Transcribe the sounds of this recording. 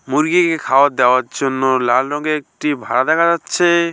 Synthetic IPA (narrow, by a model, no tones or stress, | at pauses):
muɾɡikekʰawot̪̚d̪eoaɾd͡ʑonːolalɾɔɡeek̚ʈibʱa̰ɽad̪ɛkʰad͡ʒatːʃʰe